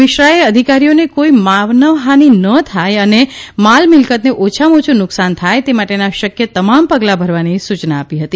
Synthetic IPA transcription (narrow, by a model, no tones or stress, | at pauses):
ɪʃɾaeəd̪ʱikaɾionekoimaʋnəʋɦaninət̪ʰajənemalmɪlkət̪neʔot͡ʃʰamot͡ʃʰunʊksant̪ʰajt̪emaʈenaʃəkjət̪əmampəɡlabʱəɾʋanisut͡ʃnaːpiɦət̪i